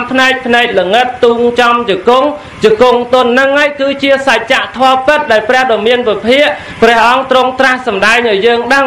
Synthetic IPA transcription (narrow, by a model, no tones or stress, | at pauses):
mpʰnaɛk̚pʰnaɛk̚ləŋɨt̪ːuːŋt͡ɕɑmt͡ɕəkuŋ | t͡ɕokuŋt̪ʊ̆ənːɨŋːajkɨːt͡ɕiəsac̚t͡ɕaʔt̪ʰɔəpɨt̪̚ɗaɛlprɛ̆əhɗɑmiənpipʰiəʔ | prɛ̆əhʔɑŋt̪roŋt̪rahsɑmɗaɛŋʔaɔjjəːŋɗəŋ